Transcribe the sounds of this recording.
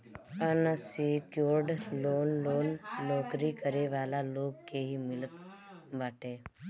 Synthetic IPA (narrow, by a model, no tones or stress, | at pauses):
ənasikjoːɾɖloːnloːnːɔːkɾikəɾeʋaːlaloːɡkeɦimɪlə | ʋaːʈeː